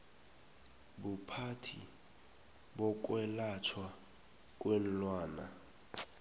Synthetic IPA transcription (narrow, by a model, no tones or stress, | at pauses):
bupʰatʰḭ | bɔk̬ʼwɛlat͡ʃʰwa | k̬ʼwen̩lwaːna